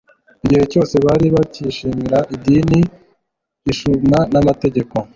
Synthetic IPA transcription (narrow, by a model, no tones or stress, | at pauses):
iɟihe̞co̞ːse̞βaɾiβaciʃiːmiɾaʔidiːniː | ʃunanamate̞ɟe̞ko̞